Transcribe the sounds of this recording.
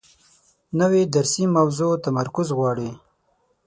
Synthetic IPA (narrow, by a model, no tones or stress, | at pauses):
nəwed̪aɾsimawzot̪amaɾkʊzɣwɑːɽi